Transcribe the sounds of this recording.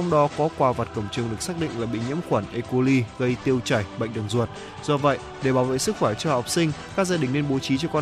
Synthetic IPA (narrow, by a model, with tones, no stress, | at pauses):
t͡ɕa˧wŋ͡mɗɔ˨˦kɔ˨˦kwaː˧˩va˨˩t̚kə˧˩wŋ͡mt͡ɕɨ˨˧əŋɗɨ˨˩ək̚saː˦˥k̚ɗḭ̈˧˨ŋ̟laː˨˩ɓḭ˧˨ɲḭ˧˥əmxwaː˧˩nʔe˧ko˧li˧ɣə˧jt̪i˧əwt͡ɕa˧˩jɓa̰˧˨jŋ̟ɗə˨˩ŋzu˨˩ət̚ | z̥ɔ˧və̰˧˨j | ɗe˧˩ɓaː˧˩wvḛ˧˨sɨ˦˥k̚faː˧˩t͡ɕɔ˧ha˨˩wk͡p̚si˧ŋ̟kaː˦˥k̚zaː˧ɗï˨˩ŋ̟ne˧nɓo˨˦t͡ɕi˨˦t͡ɕɔ˧kɔ˧